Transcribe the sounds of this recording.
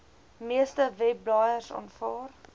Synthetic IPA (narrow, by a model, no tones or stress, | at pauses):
miəstəvɛb̚lɑːjərsɑ̰nfɑːr